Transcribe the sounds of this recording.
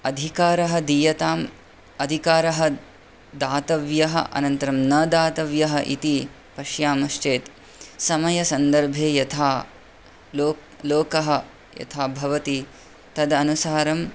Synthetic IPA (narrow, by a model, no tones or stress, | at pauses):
ɐd̪ʱikaːɾɐɦɐd̪iːjɐt̪aːm | ɐd̪ʱikaːɾɐɦɐ | d̪aːt̪ɐʋjɐɦɐ̰ʔɐ̰nɐnt̪ɐɾɐmnɐd̪aːt̪ɐʋjɐɦɐʔit̪i | pɐʃjaːmɐʃt͡ʃeːt̪ | sɐmɐjɐsɐnd̪ɐɾbʱeːjɐt̪ʰaː | loː | loːkɐɦɐ̆ | jɐ̰t̪ʰaːbʱɐʋɐt̪i | t̪ɐd̪ɐnusaːɾɐm